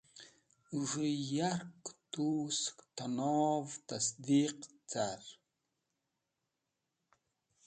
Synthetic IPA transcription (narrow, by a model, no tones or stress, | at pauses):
ʒʷɨjarktʰusktʰanovtʰasd̪iːq | t͡sʰar